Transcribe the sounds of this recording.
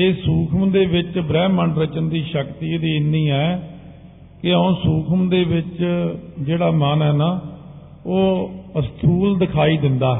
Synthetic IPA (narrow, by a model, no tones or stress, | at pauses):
eːsuːkʰəmd̪eːʋɪt͡ʃbɾɛːməɳɖɾət͡ʃənd̪iːʃəkt̪iːd̪iːɪnːiːɛː | kɪəõːsuːkʰəmd̪eːʋɪt͡ʃd͡ʒeːɽaːmənɛːnaː | oːəst̪ʰuːld̪ɪkʰaːiːd̪ɪnd̪aː